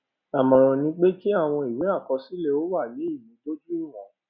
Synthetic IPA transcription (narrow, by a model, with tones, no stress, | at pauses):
a˨mɔ̃˨ɾ̃ɔ̃˨nĩ˧˦k͡pe˦ki˦a˦˨w̃ɔ̃˧i˨we˨˦a˦˨kɔ˧si˦le˦˧o˦wa˦˨je˨˦i˦˨jĩ˨˦do˦d͡ʒu˦o˦˨ɾɔ̃˨˦